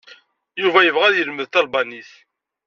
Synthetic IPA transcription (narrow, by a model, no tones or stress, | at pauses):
juvæjəvʁæðjəlməðt̪ɑlbɑniθ